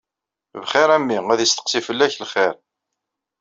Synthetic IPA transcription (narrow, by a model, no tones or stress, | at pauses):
vχɪɾæmːiæðist̪ə̥qsifəlːæçlχɪɾ